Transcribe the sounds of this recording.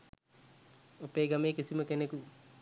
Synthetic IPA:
opeːɡameːkisiməkeneku

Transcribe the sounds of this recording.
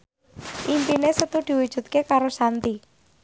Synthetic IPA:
ʔimpinesət̪ud̪̥i̤wud̥ʒ̥ṳt̪̚kekaɾosant̪i

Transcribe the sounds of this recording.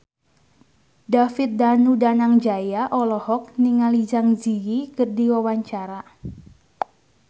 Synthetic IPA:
dafit̪̚danudanaŋd͡ʒajaʔɔlɔhɔk̚niŋalid͡ʒaŋd͡ʒijikərdiwawaɲt͡ʃaɾa

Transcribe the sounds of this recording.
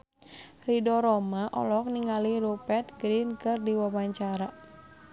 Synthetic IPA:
ridɔɾɔmaʔɔ̰lɔk̚niŋaliɾupɛt̪̚ɡɾinkɨrdiwawaɲt͡ʃaɾa

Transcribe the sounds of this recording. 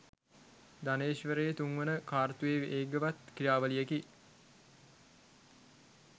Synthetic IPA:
d̪aneːʃʋəɾejet̪uŋʋənəkaːrt̪ujeːʋʔeːɡəʋat̪kijaːʋəlijeki

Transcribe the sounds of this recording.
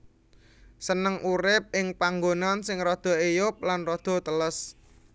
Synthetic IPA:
sənəŋʔuɾɪp̚ɪŋpaŋɡonansɪŋrɔd̪̥ɔ̤ejʊp̚lanrɔd̪̥ɔ̤t̪ələs

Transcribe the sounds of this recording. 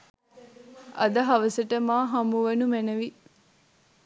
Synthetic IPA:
ʔɐd̪ɐɦɐʋɐsəʈəmaːɦɐmuʋenumenɐʋi

